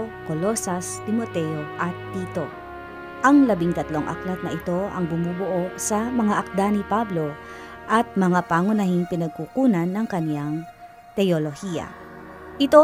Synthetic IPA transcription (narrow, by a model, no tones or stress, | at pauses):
kolo̞sɐst̪ɪmot̪ɛjoʔɐt̪ːiːt̪o̞ | ʔɐŋlɐbiŋt̪ɐt̪loŋʔɐ̰klɐt̪nɐʔɪt̪o̞ɐ̰ŋbʊmuːbʊʔo̞sɐmɐŋaʔɐk̚d̪anipablo̞ | ʔɐt̪̚mɐŋapaːŋʊnɐhinpɪnɐɡ̚kukuːnɐnːɐŋkɐnjaŋ | t̪ɛolohijɐ̰ʔɪt̪o